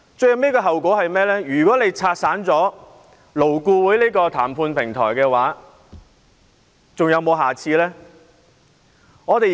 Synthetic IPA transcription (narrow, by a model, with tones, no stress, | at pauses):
t͡sɵ˧ɥjhɐ˨˧wnɛː˥kɔː˧ɦɐ˨wkɔː˨˥hɐ˨jmɛː˥lɛː˥jyː˨˩kɔː˨˥le˨˧jt͡sʰaː˧t̚saː˨˥nt͡sɔː˨˥ | lo˨˩wkuː˧wuː˨˥jliː˥kɔː˧t̪ʰaː˨˩mpʰuː˧npʰɪ˨˩ŋt̪ʰɔ̰ː˨˩jkɛː˧waː˨˥ | t͡sʊ˨ŋjɐ˨˧wmo˨˧wɦaː˨˩t͡sʰiː˧lɛː˥ | ŋɔː˨˧t̪e˨j